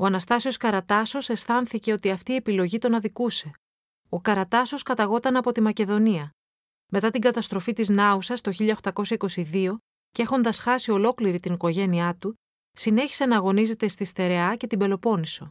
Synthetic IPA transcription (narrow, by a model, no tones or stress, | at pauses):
o̞ɐnɐst̪ɐsio̞skɐɾɐt̪ɐso̞se̞sθɐnθice̞o̞t̪iɐft̪iepilo̞ʝit̪o̞nɐðikuse̞ | o̞kɐɾɐt̪ɐso̞skɐt̪ɐɣo̞t̪ɐnɐpo̞t̪imɐce̞ðo̞niɐ | me̞t̪ɐt̪iŋɡɐt̪ɐst̪ɾo̞fit̪iznɐusɐst̪o̞çiʎɐoxt̪ɐko̞sçɐiko̞siðio̞ | ceexo̞nd̪ɐsxɐsio̞lo̞kliɾit̪iniko̞ʝe̞niɐt̪u | sine̞çi̥se̞nɐɣo̞nize̞t̪e̞st̪ist̪e̞ɾe̞ɐce̞t̪ibe̞lo̞po̞niso̞